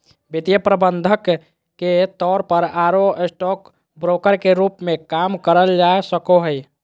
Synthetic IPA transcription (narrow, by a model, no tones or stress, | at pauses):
bit̪jəpɾəbənd̪ʱəkː | et̪ɔɾpəɾaɾoesʈɔk | bɾokəɾkeɾupmekamkəɾəld͡ʒaesəkoɦəj